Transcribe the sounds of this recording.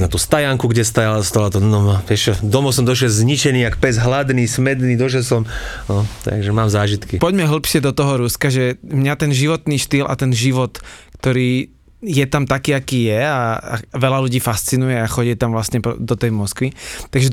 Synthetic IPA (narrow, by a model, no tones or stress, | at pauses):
nat̪uːst̪ajaŋkuɡɟɛst̪ajalst̪alat̪ɔnɔmapɪɛʃt͡ʃɔd̪ɔmɔsɔmd̪ɔʃjɛlzɲit͡ʃɛniːakpɛzɦlad̪niːsmɛd̪niːd̪ɔʃɛlsɔm | ɔt̪a̰ɡʒɛmaːmzaːʒit̪kipɔɟmɛɦl̩ˠpʃɪɛd̪ɔt̪ɔɦɔɾuskaʒɛmɲat̪ɛnʒiʋɔt̪niːʃt̪ilʔa̰t̪ɛnʒiʋɔt̪kt̪ɔɾiː | jɛt̪amt̪akiːakiːjɛaaʋɛlaluɟiːfast͡sinujɛaxɔɟɛt̪amʋlasɲɛpd̪ɔt̪ɛjmɔskʋit̪aɡʒɛ